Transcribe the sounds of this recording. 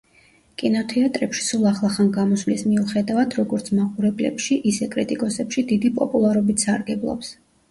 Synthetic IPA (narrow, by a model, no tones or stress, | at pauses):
kʼinɔt̪ʰɛat̪ʼɾɛpʃi̥sulˠaχlˠaχanɡamɔsvlismiuχɛd̪avad̪ɾɔɡɔɾt̪sʰmaχuɾɛblɛ̰pʃiʔisɛkʼɾit̪ʼikʼɔsɛpʃid̪id̪ipʼɔpʼulˠaɾɔbit̪saɾɡɛblˠɔ̰ps